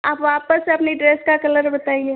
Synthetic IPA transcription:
aːpʋaːpəseɐpniɖɾeːskakɐləɾbɐt̪aːie

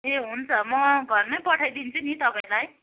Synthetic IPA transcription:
ɦeɦunt͡sʰʌmʌɡʱʌrnʌjpʌʈʰajd̪int͡sʰunit̪ʌpaĩlaj

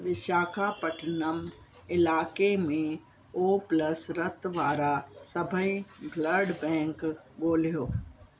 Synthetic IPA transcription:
ʋɪʃaːkʰapəʈʰnəm | ɪlaːkemẽ | oːpləsɾət̪ʋaːɾasəbʱəĩbʱləɾɖbɛ̃ːŋk | boːlijoː

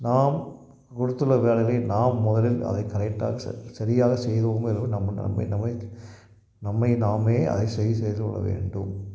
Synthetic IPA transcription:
naːm | kʊɽɯt̪ːɯlːɐʋeːlɐɣɪlɐɪnaːmːʊðɐlɪlɐ̰ðɐɪkɐɾɛk̚ʈːa̰ːɣɐsɐ̰sɐɾɪjaːɣɐsɛjðɐmɛnʋɯnɐmːɐ̰mːɐ̰ɪnɐmːɐɪ | nɐmːɐɪnaːmeːɐ̰ðɐɪsɛjɯsɛjðkɔ̰ɭːɐ̰ʋḛːɳɖɯm

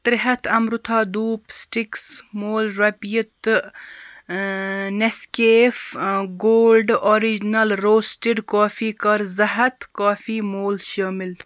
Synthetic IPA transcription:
t̪ɾɪɦɐt̪ʰɐmɾʊt̪ʰaːd̪uːpsʈɪksmoːlɾɐpjit̪ | nɐskeːfɡoːlɖoːɾid͡ʒnɐlɾoːsʈeɖkaːfʰiːkɐɾzɐɦɐt̪kaːfʰiːmoːlʃɐmɪl

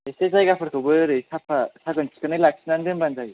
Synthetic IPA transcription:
esezajɡapʰɯɾkʰɯbɯjɾɯjsapʰasaɡɯnsʰi̥kɯnɯjlak̚sinandɯmbanzaj

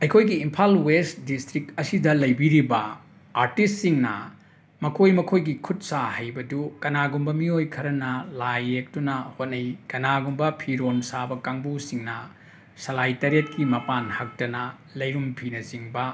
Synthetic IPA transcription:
ɐjkʰojɡiːmpʰalwestdistɾikɐsidɐlɐjbiɾibɐ | aɾtistːiŋnɐ̰ | mɐkʰojmɐkʰojɡikʰut̚sahɐjbɐdukɐnaɡumbɐmiojkʰɐɾɐnɐlajek̚tunɐhot̚nɐjkɐnaɡumbɐpʰiɾonsabɐkaŋbusiŋnɐ | sɐlajtɐɾiet̚kimɐpanhɐk̚tɐnɐ | lɐjɾumpʰinɐziŋbɐ

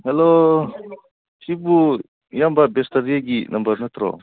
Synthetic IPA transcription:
hɛlo | sibu | jambabestɐɾijaɡinʔɐmbɐɾnɐt̪ɾɔ̰

